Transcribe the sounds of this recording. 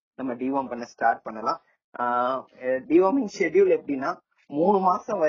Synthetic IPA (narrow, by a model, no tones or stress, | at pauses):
nɐmːɐɖiːʋaːmpɐɳːɐsʈaːɾʈ̚pɐɳːɐlãː | ɖiːʋaːmɪŋɡʃɛɖɪjulɛpːɐɽɪnːaː | muːɳɯmaːsɐ̃ʋɐ